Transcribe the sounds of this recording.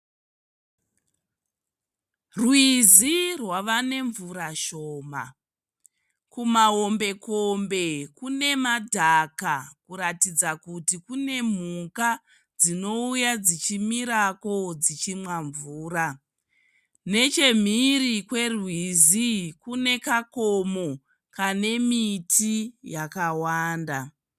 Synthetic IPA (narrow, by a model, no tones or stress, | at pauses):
rwizirwaʋane̞ɱvuɾaʃoːma̰ | kumaɦombe̞kombe̞kune̞madʱakakuɾatid͡zakutikune̞m̤uka | d͡zino̞ujad͡zit͡ʃimiɾako̞d͡zit͡ʃimwaɱvuːɾa | ne̞t͡ʃe̞m̤irikwe̞rwizikune̞kakomo | kane̞mitʰijakawaːnda